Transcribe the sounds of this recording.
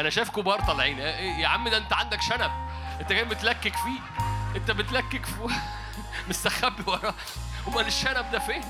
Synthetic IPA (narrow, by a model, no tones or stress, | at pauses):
ʔænæʃæːfkobɑːɾˤt̪ˤɑlʕiːnæʔejeʕamːed̪ʔent̪æʕand̪ækʃænæb̚ | ʔent̪ækæːnbet̪lækːekfiː | ʔent̪æbet̪lækːekf | mest̪æxæbːwɑɾˤɑː | wemæneʃːænæb̚d̪æfeː